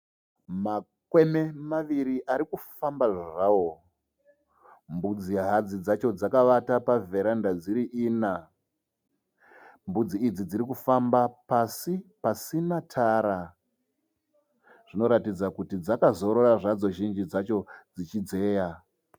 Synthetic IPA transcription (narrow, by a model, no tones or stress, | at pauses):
ma | kwememaʋiɾiʔaɾikufambaʐaʐawo̞ | mbud͡ziɦad͡zid͡zat͡ʃo̞d͡zakaʋatapave̞ɾandad͡ziɾiʔiːna | mbud͡ziːd͡zid͡ziɾikufambapasipasinatʰaːɾa | ʐ̥ino̞ɾatid͡zakutid͡zakazo̞ɾo̞raʐad͡zo̞ʒind͡ʒid͡zat͡ʃo̞d͡zit͡ʃid͡ze̞ːja